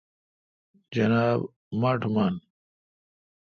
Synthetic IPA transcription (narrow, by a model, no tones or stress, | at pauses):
d͡ʑɐnaːb | maʈʰman